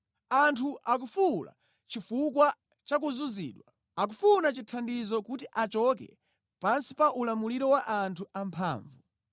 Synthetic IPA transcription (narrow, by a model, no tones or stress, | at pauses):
antʰuʔak̬ufula̰ | t͡ʃifuk̬wa | t͡ʃak̬uzuzḭːɗwa | ak̬ufunat͡ʃitʰandizɔkutiʔat͡ʃɔk̬ɛ̰ | pansi̥paʔulamuliɾɔwaʔantʰuampʰa̰ːɱvu